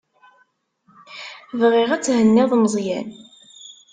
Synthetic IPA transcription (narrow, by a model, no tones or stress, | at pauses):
vʁiʁæt͡sːhənːɪðˤmzˤjæn